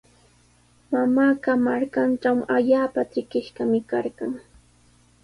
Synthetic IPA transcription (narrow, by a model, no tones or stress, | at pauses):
mamaːkamaɾkanʈ͡ʂawaʎaːpatɪkɪʃkamɪkaɾɢɑŋ